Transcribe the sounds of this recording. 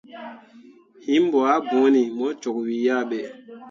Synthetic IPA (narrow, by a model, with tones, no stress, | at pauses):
hi˦mbɔ˨a˦bõ˨˦ni˨mɔ˦t͡ʃo˨kwi˨ja˦ɓɛ˨